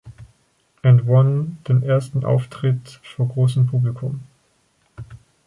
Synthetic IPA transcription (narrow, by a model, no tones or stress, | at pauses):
ʔɛ̃nwɔnd̥eːmʔeːɐstn̩ʔa̰ʊftʁ̥ɪtfoːɐɡʁoːsəmpʰuːblikʰʊm